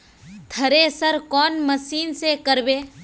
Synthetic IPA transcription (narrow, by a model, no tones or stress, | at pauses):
t̪ʰɐɾesəɾkɔːnməsiːnsekəɾbeː